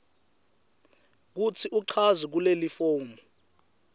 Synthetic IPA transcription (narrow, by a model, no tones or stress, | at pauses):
k̬ut͡sʰiʔuǀʰazik̬ulelifoːmɔ